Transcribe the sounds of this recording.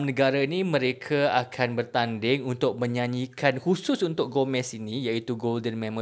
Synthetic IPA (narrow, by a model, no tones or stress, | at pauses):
mnə̃ɡaɾainĩmə̃ɾekʰaakʰanbərt̪andɪŋunt̪ʊk̚mə̃ɲãɲĩkʰanhusʊsunt̪ʊk̚ɡomɛ̃sinĩjait̪uɡoldənmɛ̃mə̃